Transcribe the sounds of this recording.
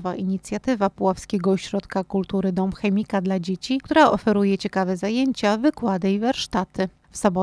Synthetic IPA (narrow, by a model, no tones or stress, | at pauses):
va̰ʔiɲit̪sʲjat̪ɘvapuwafskʲeɡɔːɕɾɔt̪kakult̪uɾɘd̪ɔmxɛmʲikad̪lad͡ʑet͡ɕikt̪uɾaɔfɛɾujɛt͡ɕɛkavɛzajeɲt͡ɕavɘkwad̪ɘivaɾʂt̪at̪ɘ | fsɔbɔ